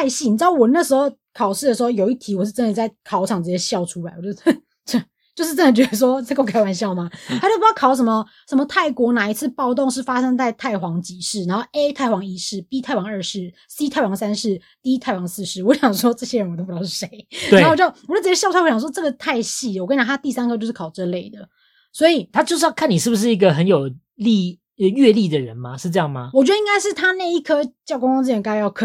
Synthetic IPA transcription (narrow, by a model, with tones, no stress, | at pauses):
a˥˧ɪɕi˥˩n˨˩ʈ͡ʂ̩˥d̪wɔ˨˩na˥˩ʂɻ̩˧˥xo˥˧ʊ | kʰɑ˨˩ʊʂɻ̩˥˩ə˩ʂ̬ɻ̩˧˥xo˥˧ʊjo˨˩ʊi˥˩t̪ʰi˧˥wɔ˨˩ʂ̩˥˩ʈ͡ʂə˥nd̪ə˨˩t͡sa˥˩ɪkʰɑ˨˧˥ʊʈ͡ʂʰɑ˨˩ŋt͡s̩˨˩t͡ɕjɛ˧˥ɕjɑ˥˧ʊʈ͡ʂʰu˥la˨˧˩ɪwt͡ɕ | t͡ɕ | t͡ɕjo˥˧ʊʂ̬ɻ̩˥˩ʈ͡ʂə˥nd̪ə˨t͡ɕɥɛ˧˥d̪ə˧ʂ̬wɔ˦˥˧ko˥˧kʰa˥ɪwa˨˥nɕjɑ˥˩ʊma˨˦a˥t͡ɕo˥˩pjɑ˥˩kʰɑ˨˩ʊʂ̬ə˧˥nmə˧ | ʂə˧˦mə˧t̪ʰa˥˩ɪkwɔ˧˥na˨˩i˧˥t͡sʰɹ̩˥˧pɑ˥˧ʊt̪o˥˧ŋʂ̬ɻ̩˥˩fa˥ʂə˥ŋt̪a˥˧ɪt̪ʰa˥˩ɪxwɑ˧˥ŋt͡ɕi˨˩ʂɻ̩˥˩na˧˥nxo˥˩ʊʔe˥ɪt̪ʰa˥˩ɪxwɑ˧˥ŋi˥ʂɻ̩˥˩pi˥t̪ʰa˥˩ɪwɑ˧˥ŋə˞˥˧ʂɻ̩˥˩ | si˥t̪ʰa˥˩ɪwɑ˧˥ŋsa˥nʂɻ̩˥˩ | t̪i˥t̪ʰa˥˩ɪwɑ˧˥ŋsɹ̩˥˩ʂɻ̩˥˩wɔ˧˦ɕjɑ˨˩ŋʂwɔ˥ʈ͡ʂɤ˥˩ɕjɛ˥ɻə˧nwt̪o˥˧˩ʂe˧˦ɪnatwe˧˨˩o˥˩˨d̪ə˧w̩˨˩˨ɑ˥˧ʊt̪ʰjwɔ˥ʈ͡ʂɤ˥˩ɡə˩t̪ʰa˥˧ɪɕi˥˩˨wkn˨a˧˩t̪a˥t̪i˥˩sa˥nkʰt͡ɕjʂ̩˥˩kʰɑ˨˩ʊʈ͡ʂə˥˧le˥˩ɪd̪ə˩ | swɔ˧˥i˨˩t̪ʰa˦˥t͡ɕjo˥˧ʊʂɻ̩˥jɑ˥˧kʰa˥˩ni˨˩ʂɻ̩˥˩bu˩ʂɻ̩˥˩i˧˦˥ɡə˨ɦə˧˦njo˨˩ʊ | li˥˧ | ɥɛ˥˧li˥˨d̪ə˨ɻə˨˦nma˨ʂɻ̩˥˧ʈ͡ʂɤ˥˧jɑ˥˩ŋma˨wɔ˨˩t͡ɕɥɛ˧˥d̪ə˧i˥ŋka˥ɪʂɻ̩˥˩t̪ʰa˥na˥˧ɪi˥˩kʰɤ˥t͡ɕjɑ˥˩ʊkŋfɑ˥ŋt͡s̩˥˩ɛ˧˥ŋka˥˨˩jɑ˥˧˩kʰ